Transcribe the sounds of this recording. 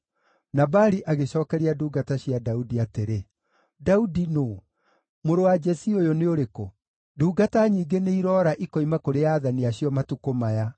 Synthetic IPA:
nabaɾiʔaɣeɕɔːkɛɾiaduːɡataɕiadaudiateɾe | daudinoː | moɾowad͡ʒɛsiojoneoɾeko | duːɡataɲiːɡeneiɾɔːɾaʔikɔimakoɾeaːðaniaɕiɔmatukomaja

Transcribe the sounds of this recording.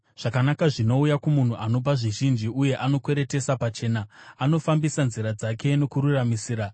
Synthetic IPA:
ʐ̥akanakaʐino̞ujakumun̤uʔano̞p̬aʐiʒind͡ʒiuje̞ʔano̞kwe̞ɾe̞te̞sapat͡ʃe̞ːnaːno̞fambisanziɾad͡zake̞no̞kuɾuramisiːɾa

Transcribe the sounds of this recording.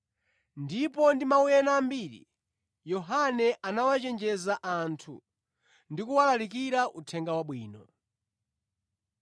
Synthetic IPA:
ndipɔndimaujɛnambiːɾḭ | jɔɦanɛʔanawat͡ʃɛnd͡ʒɛzaʔantʰṵ | ndikuwalalikiɾaʔutʰɛŋɡawaɓwiːnɔ

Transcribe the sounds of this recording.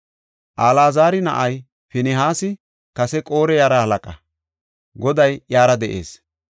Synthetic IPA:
ʔaːlaːzaːɾɪnɐ̰ʔɐj | fɪnɪɦaːsɪ | kɐsɛkʼoːɾɛjaːɾɐhɐlɐkʼɐ | ɡɔd̪ɐjjaːɾɐd̪ɛʔḛːs

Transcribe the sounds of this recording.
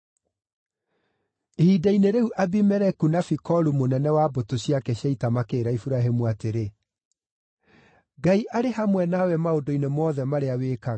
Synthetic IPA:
ehidaineɾeuʔabimɛɾɛkunafikɔɾumonɛnɛwabotoɕjakɛɕaitamakeːɾaifuɾaɦemuateɾe | ɡaiʔaɾehamwɛnawɛmaodoinemɔːðɛmaɾeaweːka

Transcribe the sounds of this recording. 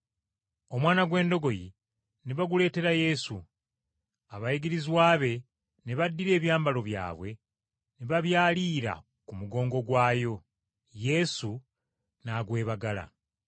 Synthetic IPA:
omwaːnaɡwe̞ːndo̞ɡo̞jḭ | neβaɡule̞ːte̞ɾaje̞su | aβajiɡiɾizwaːβe̞ | neβadːiɾe̞ːβjaːmbalo̞βja̰ːβwe̞ | neβaβjaːliːɾa̰ | kumuɡo̞ːŋɡo̞ɡwaːjo̞ | je̞su | naːɡwe̞ːβaɡala̰

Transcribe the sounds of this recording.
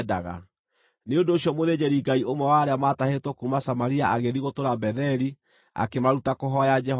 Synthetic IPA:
da̰ɣa̰ | neondoːɕiɔmoðed͡ʑɛɾiɡaiomwɛwaɾeamatahetwɔkumasamaɾiaʔaɣeðiɣotoɾabɛðɛɾi | a̰kemaɾutakoɦɔjad͡ʒɛ

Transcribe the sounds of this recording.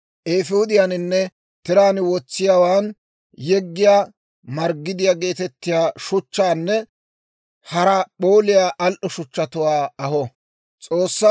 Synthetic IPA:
ʔeːfuːd̪ɪjanɪnːɛ | t̪ɪɾaːnwɔt͡sːɪjawaːn | jɛɡːɪjaː | mɐɾɡːɪd̪ɪjaːɡe̞ːt̪ɛt̪ːɪjaːʃʊt͡ʃːaːnːɛ | hɐɾɐpo̞ːlɪjaːʔɐlʔɔʃʊt͡ʃːɐt̪ʊwaːɐhɔ | t͡sʼo̞ːsːɐ

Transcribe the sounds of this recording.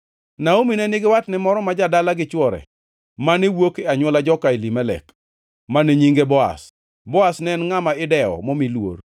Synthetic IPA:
naominɛnɪɡɪwatnɪmɔɾɔmad͡ʒadalaɡɪt͡ʃwɔɾɛ̰ | manewokeaɲwɔlad͡ʒɔkailimɛlɛ̰k | maneɲiŋɡebɔa̰s | bɔasnɛnŋamaɪdɛɔ̰momilwo̰r

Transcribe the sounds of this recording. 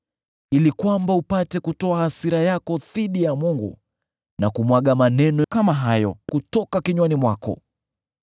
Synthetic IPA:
ilikwambaupatɛkutɔahasiɾajakɔðiɗijamuŋɡṵ | nakumwaɠamanɛnɔkamaɦajɔkutɔkakiɲwanimwakɔ̰

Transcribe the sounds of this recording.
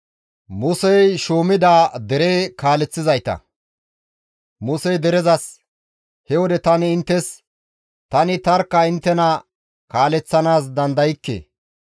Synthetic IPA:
mʊsɛjʃoːmɪd̪aːd̪ɛɾeːkaːlɛt͡sːɪzɐjt̪ɐ̰ | mʊsɛjd̪ɛɾɛzɐs | hɛwɔd̪ɛt̪ɐnɪːnt̪ːɛs | t̪ɐnɪt̪ɐɾkːɐɪnt̪ːɛnɐ | kaːlɛt͡sːɐnaːs̬d̪ɐnd̪ɐjɪkːḛː

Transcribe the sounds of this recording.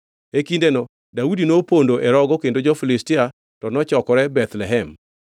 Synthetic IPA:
ekindenɔ | daudinopondoʔɛɾɔɡɔkendod͡ʒɔfilɪstia | tɔnɔt͡ʃɔkɔɾɛbɛt̪lɛɦɛm

